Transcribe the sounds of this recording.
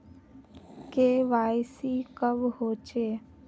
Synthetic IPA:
keːʋaːjsikəʋɦoːt͡ʃeː

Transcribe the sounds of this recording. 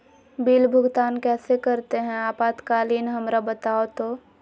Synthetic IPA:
biːlbʱʊɡt̪aːnkɛːsekɐɾt̪eɦɛ̃aːpaːt̪kaːliːnɦɐmɾabɐt̪aːot̪oː

